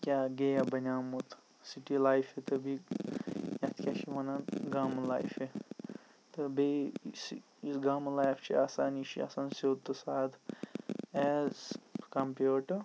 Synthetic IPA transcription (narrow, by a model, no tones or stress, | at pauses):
kʲaɡejabɐnaːmut̪ʰ | siʈilajpʰet̪əbi | jɐt̪ʰkʲjaʃʰimɐnanɡamla̰jpʰe | t̪ɨbes | isɡamlajpʰt͡ʃʰiaːsaːnit͡ʃʰia̰ːsaːnsod̪t̪ːɨsaːd̪ʰ | ɛːzkɐmpuʈɨ